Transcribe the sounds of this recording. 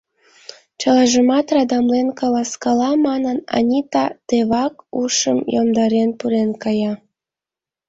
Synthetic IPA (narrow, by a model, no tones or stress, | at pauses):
t͡ɕɑlɑʒəmɑt̪rɑd̪ɑmlenkɑlɑskɑlɑmɑnənɑ̰nʲit̪ɑt̪eβɑkuʃəmjomd̪ɑɾenpuɾenkɑjɑ